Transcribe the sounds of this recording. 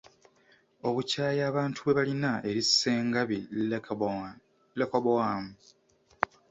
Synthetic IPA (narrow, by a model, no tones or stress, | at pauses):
o̞βucaːjaːβaːntʰuβwe̞βalinaʔe̞ɾiseːŋɡaβi | lekoβaːmu